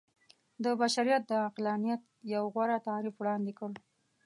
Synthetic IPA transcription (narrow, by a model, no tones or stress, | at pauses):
d̪əbaʃaɾijat̪̚d̪əaqlɑnijat̪ | jawɣwaɾat̪ɑɾifwɽɑnd̪ekəl